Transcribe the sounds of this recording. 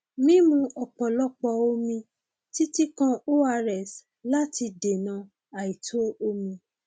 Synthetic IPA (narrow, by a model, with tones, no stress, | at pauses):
mĩ˦mũ˧˦ʔɔ˨k͡pɔ˨lɔ˦k͡pɔ˧o˧mĩ˧ | ti˦ti˦kã˦o˦a˧ɾɛ˨s | la˦ti˧de˨nã˨˧ | a˨i˨tʰo˨˦o˧mĩ˧